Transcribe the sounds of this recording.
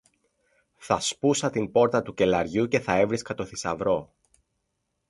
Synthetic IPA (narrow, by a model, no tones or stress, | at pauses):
θɐspusɐt̪impo̞ɾt̪ɐt̪uce̞lɐɾʝuce̞θɐe̞vɾiskɐt̪o̞θisɐ̰vɾo̞